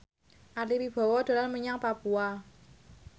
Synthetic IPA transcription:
ʔalipib̥ɔ̤wɔd̪̥a̤lanməɲaŋpapua

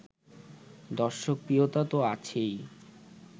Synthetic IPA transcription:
d̪ɔɾʃok̚pɾiot̪at̪oat͡ɕʰej

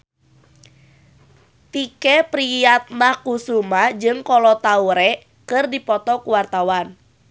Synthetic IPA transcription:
t̪ikɛpɾijat̪̚lahkusumad͡ʒɨŋkɔlɔt̪auɾɛ | kɨrdipɔt̪ɔkuwart̪awan

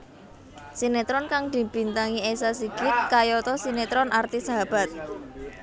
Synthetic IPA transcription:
sinet̪ɾɔnkaŋd̪̥i̤b̥i̤nt̪aŋiesasiɡ̥ɪt̪̚kajɔt̪ɔsinet̪ɾɔnʔart̪isaɦab̥a̤t̪̚

